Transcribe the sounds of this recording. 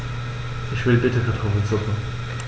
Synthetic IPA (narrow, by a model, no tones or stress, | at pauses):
ɪçvɪlbɪtʰəkʰat̪ʰɔfənt͡sʊkŋ̩